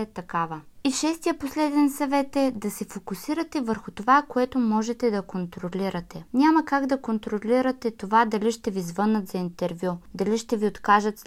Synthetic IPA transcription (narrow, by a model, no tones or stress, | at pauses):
ɛt̪ɐkavəiʃɛst̪ijəposlɛd̪ɛnsɐvɛt̪ɛd̪ɐsɛfokʊsiɾɐt̪ɛvəɾxʊt̪ovakoɛt̪omɔʒɛt̪ɛd̪ɐkont̪ɾoliɾɐt̪ɛnʲamɐkaɡd̪ɐkont̪ɾoliɾɐt̪ɛt̪ovad̪ɐliʃt̪ɛvizvɤnət̪zɐint̪ɛɾvʲjud̪ɐliʃt̪ɛviot̪kaʒət̪